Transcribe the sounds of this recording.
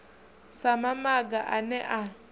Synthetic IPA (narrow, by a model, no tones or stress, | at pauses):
samamaɡaʔanɛʔa